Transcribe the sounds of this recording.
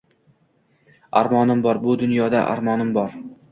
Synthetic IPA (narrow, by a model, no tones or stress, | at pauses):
aɾmɒnɪmbɒɾbʊd̪ʊnjɒd̪a̰ʔa̰ɾmɒnɪmbɒɾ